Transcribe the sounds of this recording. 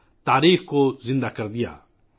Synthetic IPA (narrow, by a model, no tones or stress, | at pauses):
t̪aːɾiːxkozɪ̃nd̪akɐɾd̪ɪja̰ː